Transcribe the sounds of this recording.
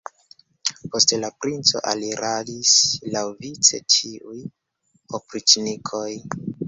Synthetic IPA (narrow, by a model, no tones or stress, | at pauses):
po̞stelapɾint͡so̞̰ʔaliɾʔalislawvit͡se̞̰tiuj | opɾit͡ʃnikʰo̞j